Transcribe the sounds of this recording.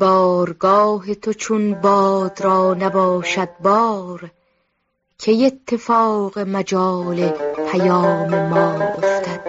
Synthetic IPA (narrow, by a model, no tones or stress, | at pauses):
b̥ɒːɾɡɒːɦet̪ʰot͡ʃʰonbɒːd̪̥ɾɒːnæbɒːʃæd̪̚bɒːɾ | kʰejet̪ʰːe̞fɒːɣe̞mæd͡ʒɒːlepʰæjɒːmemɒːoft̪ʰæd̪̥